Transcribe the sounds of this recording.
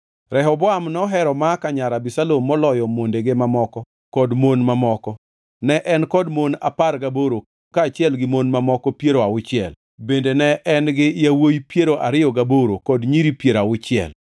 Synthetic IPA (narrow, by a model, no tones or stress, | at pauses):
ɾɛɦɔbɔamnɔɦɛɾɔmakaɲaɾabisalomːɔlɔjɔmondeɡemamɔkɔ | kɔdmonmamɔkɔ | nɛʔɛnkɔdmona̰parɡaboɾo | kaːt͡ʃɪɛlɡɪmonmamɔkɔpjeɾoaʊt͡ʃɪɛ̰l | bendenɛʔɛnɡɪjawojpjeɾoʔaɾɪɔɡaboɾokɔdɲiɾipjeɾaʊt͡ʃɪɛ̰l